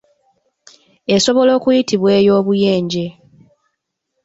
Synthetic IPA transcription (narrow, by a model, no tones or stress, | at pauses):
e̞so̞βo̞lo̞ːkujitiβwe̞ːjo̞ːβuje̞ːɲɟe̞